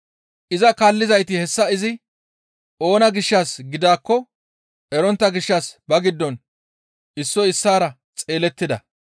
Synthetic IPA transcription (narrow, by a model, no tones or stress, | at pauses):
ʔɪzɐkaːlːɪzɐjt̪ɪhɛsːɐɪzɪ | o̞ːnɐɡɪʃːaːsɡɪd̪aːkːɔ | ʔɛɾɔnt̪ːɐɡɪʃːaːsbɐɡɪd̪ːɔn | ɪsːɔɪsːaːɾɐ | t͡sʼe̞ːlɛt̪ːɪd̪ɐ